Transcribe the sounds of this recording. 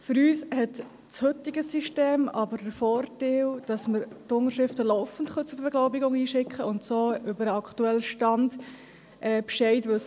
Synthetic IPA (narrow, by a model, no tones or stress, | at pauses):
fʏɾyːshɛt | t͡shɵtɪɡəsiʃteːmɑbəɾdəɾfɔːɾtɛld̥ɑsməɾtʊnəɾʃɾɪftəlɔʊfən̩tχœt͡sʊɾbɛɡ̥lɔʊbɪɡʊŋiːʃɪkχəʊntsoːʏbəɾəɑktuɛlːʃtɑnd | ʔɛːpʃɛɪtʋʏls